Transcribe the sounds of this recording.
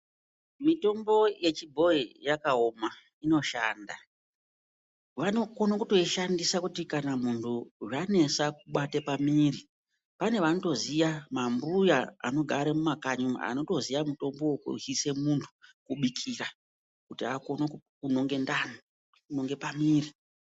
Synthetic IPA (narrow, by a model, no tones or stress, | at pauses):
mito̞mbo̞je̞t͡ʃibʱo̞ijakaoma | ino̞ʃaːnda | ʋano̞konokuto̞iʃandisakutikanam̤untʰuʐane̞sakuɓatepamiːɾi | pane̞ʋanoto̞zijamambujaa̰no̞ɡʱaɾemumakaɲuma̰a̰no̞to̞zijamuto̞mbo̞wokṵise̞muntʰu̥kuɓikʰira | kutiakonokkuno̞ŋɡe̞ndano | kuno̞ŋɡe̞pamiːri